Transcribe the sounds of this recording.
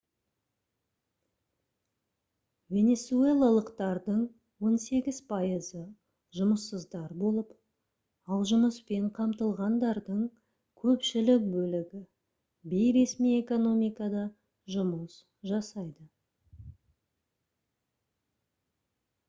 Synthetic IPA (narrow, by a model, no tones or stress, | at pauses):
vʲe̞ne̞tsue̞lˠɑlˠəqt̪ɑɾd̪əɴ | wo̞nse̞ɡʲɪzpʰɑjəzə | ʒʊməsːəzd̪ɑɾbo̞lˠəp | ɑlˠʒʊməspe̞ɴqʰɑmt̪əlˠʁɑnd̪ɑɾd̪əɴ | kʲʰɵpʃɪlɪk̚bɵlɪɡʲɪ | be̞jɾe̞smije̞ko̞no̞mijkɑd̪ɑ | ʒʊməs | ʒɑsɑjd̪ə